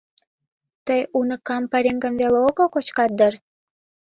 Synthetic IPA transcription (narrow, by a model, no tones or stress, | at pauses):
t̪əjunə̆kɑmpɑɾʲeŋɡə̆nveleokokot͡ɕkɑt̪̚d̪ər